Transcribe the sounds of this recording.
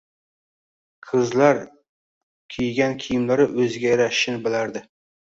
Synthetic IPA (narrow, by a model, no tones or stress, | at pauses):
qʰɨzlaɾ | kʲʰejɡʲankʲʰijɪmlaɾɪʔɵzɡʲajɾaʃɪnɪbɪlaɾd̪ɪ